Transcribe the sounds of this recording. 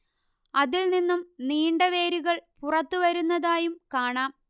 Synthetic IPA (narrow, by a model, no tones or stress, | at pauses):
ɐðilninːumniːɳɖɐʋe̞ːɾiɣɐɭpurɐt̪ːuʋɐɾunːɐðaːjumkaːɳaːm